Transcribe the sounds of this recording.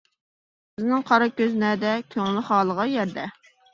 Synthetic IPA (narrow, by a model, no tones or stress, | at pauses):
bɪznɪŋqʰɑɾɑkʲøznɛd̪ɛkʲʰøŋlɪχɑːlˠəʁɑjɛɾd̪ɛ